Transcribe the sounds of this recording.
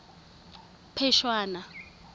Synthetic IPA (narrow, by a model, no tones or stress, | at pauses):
pʰɛʃwaːna